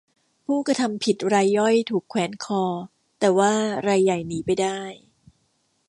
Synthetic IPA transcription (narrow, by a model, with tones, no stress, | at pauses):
pʰuː˥˩kɾa˧t̪ʰa˧mpʰi˨˩t̪̚ɾaː˧jːɔ˥˩jt̪ʰuː˨˩kʰːwɛː˩˦nkʰɔː˧ | t̪ɛː˨˩waː˥˩ɾa˧jːa˨˩jniː˩˦pa˧jdaː˥˩j